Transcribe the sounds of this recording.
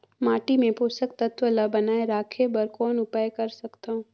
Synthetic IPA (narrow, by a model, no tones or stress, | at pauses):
maːʈimẽpoːsək̚t̪ɐt̪ʋəlabɐnaːeɾaːkʰebɐɾkɔːnʊpaːjkɐɾsɐkt̪aɦõː